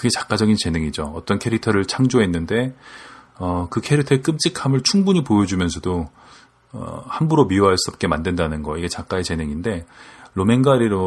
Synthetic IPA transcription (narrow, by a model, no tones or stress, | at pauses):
kɯɡe̞t͡ɕḁk͈ad͡ʑʌɡint͡ɕe̞nɯŋid͡ʑoʌt͈ʌnkʰe̞ɾitʰʌɾɯɭt͡ɕʰaŋd͡ʑoɦe̞nːɯnde̞ | ʌkɯkʰe̞ɾitʰʌek͈ɯmt͡ɕ͈ikʰamɯɭt͡ɕʰuŋbuɲipojʌd͡ʑumjʌnsʰʌdo | ʌ̰hambuɾomioɦaɭs͈uʌp̚k͈e̞mandwe̞ndanɯnɡʌiɡe̞t͡ɕak͈aet͡ɕe̞nɯŋinde̞lome̞nɡaɾiɾo